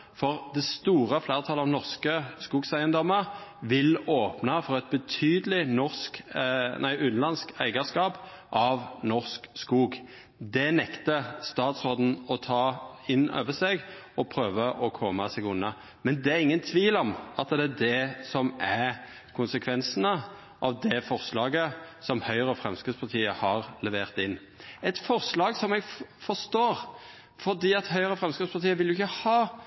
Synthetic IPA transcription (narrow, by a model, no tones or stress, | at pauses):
fɔʁd̪ɛst̪uːʁəfleːʁət̪ʰɑlɑʋnɔʁskəskuːɡsæɪənd̪ɔmːəʁʋɪloːpnɑfɔʁɛt̪̚bət̪ʰyːd̪əlɪnɔʁsknæɪʔʉnlɑnskæ̰ɪɡəskɑːp | ʔɑʋnɔʁskskuːɡ | d̪ɛnɛkt̪əst̪ɑːt̪sʁoːd̪n̩ɔt̪ʰɑːɪnø̰ːʋəsɛɡ | ɔpʰɾøːʋəʔɔkʰɔməsɛɡʊnːɑ | mɛnd̪ɛæɾɪŋːənt̪ʰʋiːlɔmɑt̪d̪ɛæd̪ɛsɔmæɾ | kʰʊnsəkʰʋɛnsənə | ʔɑʋd̪ɛfɔʁslɑːɡəsɔmhœʏɾəfʁɛmskət̪spʰɑɾt̪ʰiːəhɑʁlɛʋeːʁt̪ɪnː | ɛt̪fɔʁslɑːɡsɔmɛɡfɔʁʂt̪oːɾ | fɔʁd̪iːɑt̪hœʏəʁəfʁɛmskət̪spʰɑɾt̪iːəʋɪljʊɪçːəhɑː